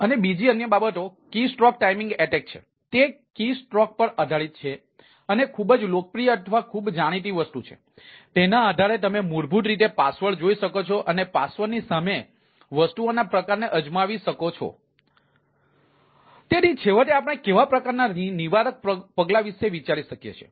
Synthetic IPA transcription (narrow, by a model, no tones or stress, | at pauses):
ənebid͡ʒiənjəbabət̪okisʈɾɔk̚ʈaimĩŋɡeʈɛk̚t͡ʃʰḛ | t̪e | kisʈɾɔk̚pəɾəd̪ʱaɭit̪̚t͡ʃʰe | ənekʰubəd͡ʒlok̚əpɾijəət̪ʰʋakʰubd͡ʒaɽ̃it̪̬iʋəst̪ut͡ʃʰḛ | t̪enaəd̪ʱaɾet̪̬əmemuɾbʱuʈ̪ɾit̪̬epasʋəɭd͡ʒoiʃəkot͡ʃʰoʔənepasʋəɾnisame | ʋəsʈ̪uonapɾəkaɾneʔəd͡ʒmaʋiʃəkot͡ʃʰo̰ | t̪enit͡ʃʰeʋəʈ̪eapəɽ̃ekeʋapɾəkaɾnaniʋaɾək̚pəɡlaʋiʃeʋit͡ʃaɾiʃəkjḛt͡ʃʰḛ